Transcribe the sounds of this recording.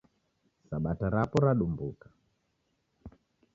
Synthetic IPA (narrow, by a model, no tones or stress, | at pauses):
saɓataɾapɔɾaɗumbukḁ